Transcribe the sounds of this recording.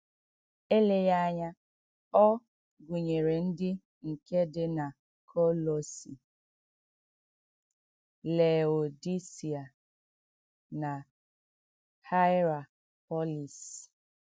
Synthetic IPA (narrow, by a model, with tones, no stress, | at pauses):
e˦le˦ja˦ɲa˦ | ɔ˦ | ɡʷu˨ɲe˨ɾe˨n̩˦dɪ˦ | ŋ̩˨ke˦dɪ˦na˨ | kʰo˦lo˨si˨ | le˨o˨di˦si˨a˨ | na˨ | kʰa˦jɾa˨ | pɔ˦li˨s